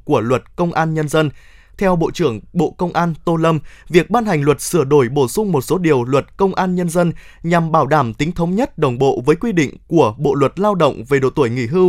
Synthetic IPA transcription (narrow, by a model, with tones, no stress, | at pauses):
ku˧˩əlwə˨˩t̚kə˧wŋ͡mʔaː˧nɲə˧nzə˧n | t̪ʰɛ˧wɓo̰˧˨t͡ɕɨ˧˩əŋɓo̰˧˨kə˧wŋ͡mʔaː˧nt̪o˧lə˧mvi˨˩ək̚ɓaː˧nhɦa˨˩jŋ̟lwə˨˩t̚sɨ˧˩əɗo˧˩jɓo˧˩sʊ˧ŋ͡mmo˨˩t̚so˨˦ɗi˨˩əwlwə˨˩t̚kə˧wŋ͡mʔaː˧nɲə˧nzə˧nɲa˨˩mɓaː˧˩wɗaː˧˩mt̪ï˨˦ŋ̟t̪ʰə˨˦wŋ͡mɲə˦˥t̚ɗə˨˩wŋ͡mɓo̰˧˨vəː˨˦jkwi˧ɗḭ̈˧˨ŋ̟ku˧˩əɓo̰˧˨lwə˨˩t̚laː˧wɗə̰˧˨wŋ͡mve˨˩ɗo̰˧˨t̪u˧˩əjŋḭ˧˩ɦɨ˧